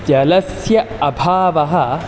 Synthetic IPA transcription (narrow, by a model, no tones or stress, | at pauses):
d͡ʒɐlɐsjɐɐbʱaːʋɐɦɐ